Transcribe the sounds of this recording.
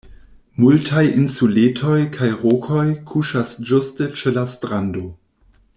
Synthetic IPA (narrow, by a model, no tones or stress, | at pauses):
multʰajinsuletʰo̞jkʰajʁokʰojkʰuʃasd͡ʒustet͡ʃelastɾando